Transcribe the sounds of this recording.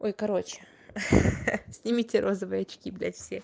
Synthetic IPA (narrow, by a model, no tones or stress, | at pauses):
o̞jkɐɾo̞t͡ɕɪ̥ | sʲnʲɪmʲitʲɪɾʔo̞zəvɨjɐt͡ɕkʲiblʲætʲfsʲex